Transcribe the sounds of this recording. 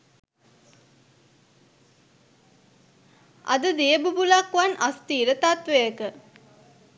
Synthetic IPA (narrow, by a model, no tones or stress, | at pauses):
ʔɐ̰d̪əd̪eəbubulakʋanast̪iːɾət̪at̪ʋejəkə